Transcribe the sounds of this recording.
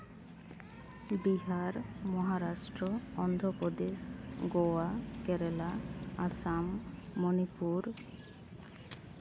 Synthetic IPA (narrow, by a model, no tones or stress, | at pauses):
biɦaɾmɔɦaɾasʈɾoɔnd̪ʱopod̪esɡoakɛɾelaasamːonipuɾ